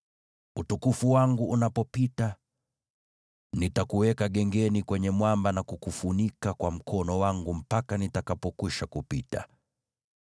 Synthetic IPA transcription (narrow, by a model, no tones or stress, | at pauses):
utukufuwaŋɡuʔːnapɔpita | nitakuwɛkaɠɛŋɡɛnikwɛɲɛmwambanakukufunikakwam̩kʰɔnɔwaŋɡum̩pakanitakapɔkwiʃakupita̰